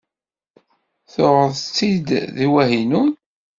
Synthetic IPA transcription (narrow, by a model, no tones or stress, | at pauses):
θʊʁəðt͡sːid̪ðiwæhinun